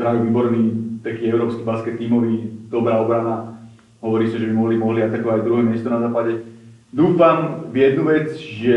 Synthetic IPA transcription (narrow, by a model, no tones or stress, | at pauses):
bɾaːʋuʋiːbɔɾniːt̪akiːɛʊɾɔːpskibaskɛt̪ːiːmɔʋiːd̪ɔbɾaːɔbɾana | ɦɔʋɔɾiːsaʒɛbimɔɦlimɔɦliat̪akɔʋaaɟd̪ɾuɦɛːmɪɛst̪ɔnazaːpaɟɛ | d̪uːfamvjɛd̪nuʋɛd͡zʒɛ